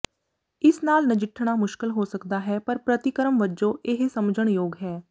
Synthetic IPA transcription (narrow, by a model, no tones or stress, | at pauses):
ɪsnaːlnəd͡ʒɪʈʰɽ̃aːmʊʃkɪlɦoːsəkd̪aːɦɛːpəɾpɾət̪ɪkəɾəmʋəd͡ʒõːʔɪɦsəmd͡ʒəɳ̃joːɡɦɛː